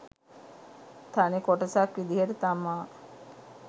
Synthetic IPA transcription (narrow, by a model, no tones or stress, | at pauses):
t̪ʰanekɔʈasakɾid̪iɦeɾt̪ama